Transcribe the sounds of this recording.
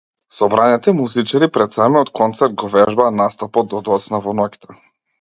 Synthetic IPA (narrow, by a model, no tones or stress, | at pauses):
sɔbɾanɛt̪ɛmuzit͡ʃaɾipɾɛt̪samiɔt̪kʰɔnt̪sɛɾt̪̚ɡɔvɛʒbanast̪ɔpɔd̪ɔd̪ɔt̪snavɔnɔki̥t̪ʰa